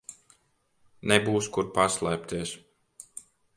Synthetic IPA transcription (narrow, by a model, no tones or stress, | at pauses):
nɛbuːskuɾpaslˠæːp̚t̪iɛs